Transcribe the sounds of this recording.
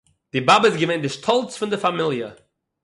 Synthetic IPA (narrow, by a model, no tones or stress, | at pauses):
d̥ɪbabəɪsɡəvẽɪndɪʃtʰɔlˠt͡sfɪndɪfamɪlˠjə